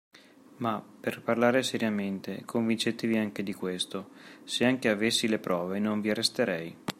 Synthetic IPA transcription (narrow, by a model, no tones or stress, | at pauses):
maperparlaːɾeseɾjament̪ekʰoɱvint͡ʃet̪eviaŋk̟ed̪ikwest̪oseaŋkeavesːilepɾɔːvenoɱviarːest̪eɾɛj